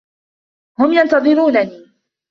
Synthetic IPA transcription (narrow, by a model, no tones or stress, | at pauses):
hʊmjɑnt̪ɑðˤɨɾuːnaniː